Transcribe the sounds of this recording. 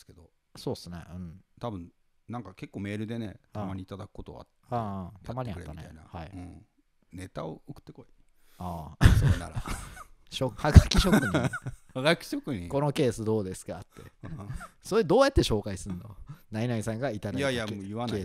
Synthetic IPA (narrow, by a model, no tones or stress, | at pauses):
ske̞d̪o | so̞ːsɨne̞̰ɯ̟̃ɴt̪abɯ̟̃n | nãŋkake̞kːo̞ːme̞ːɾɯ̟d̪e̞ne̞̰t̪amaɲ̟it̪ad̪akɯ̥ko̞t̪oβa̰t̪ | ãːt̪ʰamaɲ̟iaetːanea̰ina̰haiɯ̰̃ | ne̞t̪aookɯ̥t̪ːekoi | aːna̰ɾa | ɕokhaɡakʲiɕo̞kkɯ̟ɲihaɡakʲi̥ɕokɯɲiko̞no̞ke̞ːsɨd̪o̞ːd̪e̞sɨ̥kat̪ːe̞̰ | soɾed̪o̞ːjat̪ːe̞ɕo̞ːkaisɨɯ̃nd̪onainaɲisãŋɡait̪ad̪aaiajɯβank̪e̞ː